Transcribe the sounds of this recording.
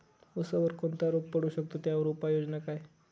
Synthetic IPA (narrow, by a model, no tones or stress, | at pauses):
əsəʋəɾkoɳt̪aɾoppəɽuːɕəkt̪ot̪jaʋəɾopajod͡znakaj